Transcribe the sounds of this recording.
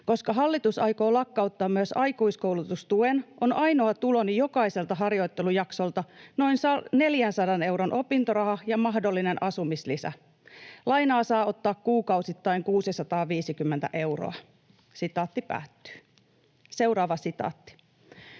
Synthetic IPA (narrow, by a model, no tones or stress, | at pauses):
ko̞skɑɦɑlːit̪usɑjko̞ːlɑkːɑut̪ːɑːmːyøəsɑjkuiskowlut̪ust̪uenʔo̞nʔɑjno̞ɑt̪ulo̞nijo̞kɑise̞lt̪ɑɦɑrjo̞jt̪ːelujɑkso̞lt̪ɑno̞insɑne̞ljænsɑdɑne̞wɾonʔo̞pint̪oɾɑhɑjɑmɑhdo̞lːine̞nʔɑsumislisæ̰ | lɑjnɑːsɑːo̞t̪ːɑːkkuːkɑwsit̪ːɑiŋkuːsisɑt̪ɑːʋiːsikymːent̪æ̰ʔe̞wro̰ɑ | sit̪ɑːt̪ːipæ̰ːt̪ːy̥ː | se̞uɾɑːʋɑsit̪ɑ̰ːt̪ːi̥